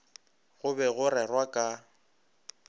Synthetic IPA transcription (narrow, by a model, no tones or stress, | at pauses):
ɣʊbɛɣʊɾɛrwakʼa